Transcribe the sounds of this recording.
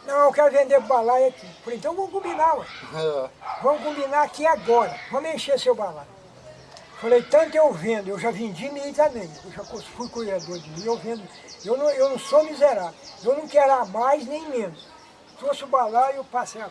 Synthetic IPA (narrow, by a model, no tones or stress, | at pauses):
nɐ̃w̃ewkɛɾʊvẽnd̪eʊbalaɐkipoɾẽt̪ɐ̃w̃vɐ̃mʊkõmbinamɐ̃ | vɐ̃mʊkõbinaakiaɡɔɾɐvɐ̃mʊẽʃesewbala | falejt̪ɐ̃nt̪ʊewvẽd̪ʊewʒavẽd͡ʒimĩt̪ɐ̃mẽj̃ewʒakosfujkujɾad̪oɾd͡ʒɪmĩewvẽnd̪ʊ | ewnɐ̃ewnɐ̃w̃somizeɾaewnɐ̃w̃kɛɾamajznẽj̃mẽnʊs | t̪ɾosʊbalaiewpaseja